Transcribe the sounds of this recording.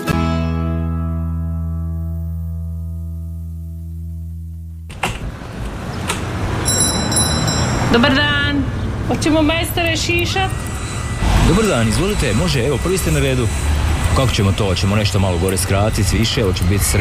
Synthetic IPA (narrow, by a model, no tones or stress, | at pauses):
d̪obaɾd̪aːnot͡ɕemomajst̪aɾeʃiːʃat̪ | d̪obaɾd̪aːnizʋo̞lit̪eʎmo̞ʒeeʋo̞pr̩ʋiːst̪enaɾed̪ukako̥t͡ɕemot̪o̞ːt͡ɕemo̞ne̞ʃt̪omalˠoɡo̞ɾeskɾaːt̪it̪ʋiʃeot͡ɕembit̪sɾ